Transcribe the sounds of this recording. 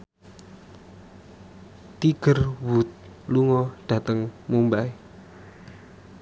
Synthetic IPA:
t̪iɡ̥ərwut̪̚ | luŋɔɖ̥ä̤t̪əŋmumbai

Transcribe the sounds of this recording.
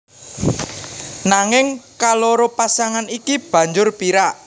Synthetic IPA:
naŋɪŋkaloɾopasaŋanikib̥ä̤ɲd͡ʒʊrpiɾaʔ

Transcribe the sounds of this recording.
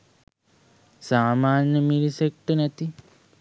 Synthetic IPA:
saːmaːnjɐmilisek̚ʈɨnɐt̪i

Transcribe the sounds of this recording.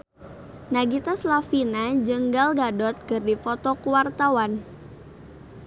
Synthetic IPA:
naɡit̪aslafinad͡ʒəŋɡalɡadɔt̪̚kɨrdifɔt̪ɔkuwart̪awan

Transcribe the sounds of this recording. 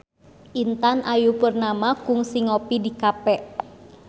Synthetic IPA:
ʔint̪anʔajupurnamakuŋsiŋopidikapɛʔ

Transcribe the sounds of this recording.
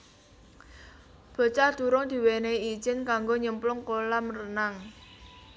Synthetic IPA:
b̥ə̤t͡ʃad̪̥ṳɾʊŋd̪̥i̤weneid̥ʒ̥ɪ̤nkaŋɡoɲəmplʊŋkolamrənaŋ

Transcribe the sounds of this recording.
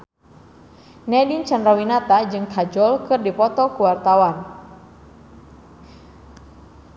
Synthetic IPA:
nɛdint͡ʃanɾawinat̪ad͡ʒɨŋkʰad͡ʒɔlkɨrdipɔt̪ɔkuwart̪awan

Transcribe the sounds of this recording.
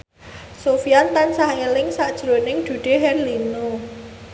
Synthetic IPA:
sofijant̪ansahelɪŋsaʔd̥ʒ̥ɾo̤nɪŋd̪̥ṳɖ̥e̤ɦɛrlino

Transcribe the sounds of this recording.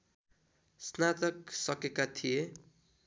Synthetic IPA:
snat̪ʌksʌkekat̪ʰije

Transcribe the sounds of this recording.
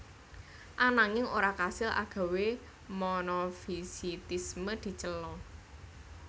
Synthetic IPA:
ʔanaŋɪŋoɾakasɪlʔa̰ɡ̥a̤we | mɔnɔfisit̪isməd̪̥i̤t͡ʃəlɔ

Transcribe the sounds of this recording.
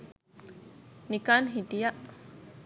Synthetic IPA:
nikanɦit̪ijaʔ

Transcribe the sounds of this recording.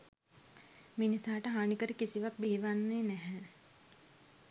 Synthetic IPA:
minisaːʈɐɦaːɳikəɾikisiʋɐk̚beːʋanːenɛɦɛ̃

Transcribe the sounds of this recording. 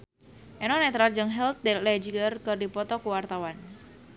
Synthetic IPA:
ʔɛnɔnɛt̪ɾard͡ʒəŋɦɛlt̪̚dɛlɛd͡ʒiɡərkɨrdipɔt̪ɔkuwart̪awan

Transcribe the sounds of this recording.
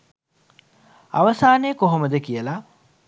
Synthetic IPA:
a̰ʋəsaːnejkoɦoməd̪əkijəla

